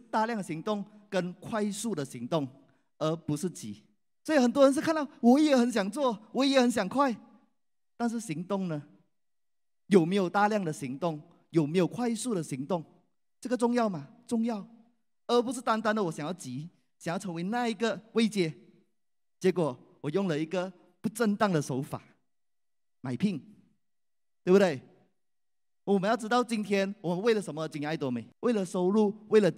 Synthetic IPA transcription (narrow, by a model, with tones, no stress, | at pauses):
t̪a˥˧ljɑ˥˩ŋd̪ə˩ɕi˧˥ŋt̪ʊ˥˩ŋkə˦˥nkʰwa˥˧ɪsu˥˩d̪ə˩ɕi˧˥ŋt̪ʊ˥˩ŋ | ə˞˧˥pu˧˥ʂɻ̩˥˩t͡ɕḭ˨˥˦ | swɔ˧˥i˨˩xə˨˩nt̪wɔ˥ɻə˧˦n̬ʂ̬ɻ̩ʰ˥˧a˥˧nt̪ɑ˥˩ʊwɔ˨˧˥jɛ˨˩˦xə˧˥nɕ̬jɑ˨˩ŋt͡swɔ˥˩wɔ˧˥jɛ˨˩˦xə˧˥nɕ̬jɑ˨˩ŋkʰwa˥˩ɪ | t̪a˥˧nʂ̬ɻ̩˥˩ɕi˧˥ŋt̪ʊ˥˩ŋnə˨ | jo˨˩me˧˥ɪjo˨˩ʊt̪a˥˧ljɑ˥˩ŋd̪ə˩ɕi˧˥ŋt̪ʊ˥˩ŋ | jo˨˩me˧˥ɪjo˨˩ʊkʰwa˥˧ɪsu˥˩ɾə˩ɕi˧˥ŋt̪ʊ˥˩ŋ | ʈ͡ʂə˥˩ɡə˩ʈ͡ʂʊ˥˧ŋjɑ˥˩ʊma˨˩ʈ͡ʂʊ˥˧ŋjɑ˥˩˨ʊ | ə˧˥p̬u˧˥ʂɻ̩˥˧˩t̪a˥˧nt̪a˥˧nd̪ə˨wɔ˨˩ɕjŋjɑ˥˩ʊt͡ɕi˧˥ | ɕjŋjʈ͡ʂʰɤ˧˥ŋwe˧˥ɪna˥˧i˧˥ɡə˨we˥ɪt͡ɕjɛ˥˩ | t͡ɕjɛ˧˥kwɔ˨˩˦wɔ˨˩jʊ˥˩ŋlə˨i˧˥ɡə˨ | pu˧˥˧ʈ͡ʂə˥˧nt̪ɑ˥˩ŋd̪ə˨ʂo˧˥ʊfa̰˨˩˦ | ma˨˩ɪpʰi˥˩ŋ | tt̪we˥˩bu˨d̪we˥˩ɪ˧ | wɔ˨mə˦jɑ˥˩ʈ͡ʂɻ̩˥t̪ɑ˥˩ʊt͡ɕi˧˥nt̪ʰjɛ˥nwɔ˨˩mə˦nwe˥˩ɪlə˩ʂə˧˥nmə˧t͡ɕi˨˩na˥˩ɪt̪wɔ˧˥me˨˩˦we˥˩ɪlə˨˩ʂo˥ʊɻu˥˧we˥˩lə˩